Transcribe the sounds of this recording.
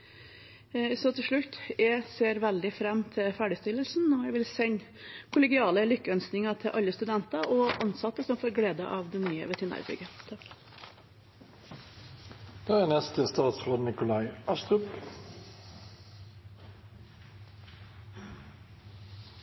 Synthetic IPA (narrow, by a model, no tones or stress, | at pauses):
sɔt̪ʰɪlʂɭʉt̪ːjæɪseːɾʋæld̪ɪfɾɛmːt̪ʰɪlfæːɖɪst̪ɪlːəlsn̩ːɔjæʋɪlsɛɲ | kʰʊlɛɡɪɑːləlʏkːəœnsknɪŋɑt̪ʰɪʔɑlːəst̪ʉd̪ɛnt̪ɑʔɔʔɑnsɑt̪ːəsɔmfoːɾɡleːd̪ə̰ʔɑʋd̪ɛnyːə̰ʋɛt̪ʰənæ̰ɾbʏ̰ɡət̪ʰɑ | d̪̥eːænɛst̪əst̪ɑːt̪sʁoːd̪nɪkʊlɑɪɑst̪ʁʉp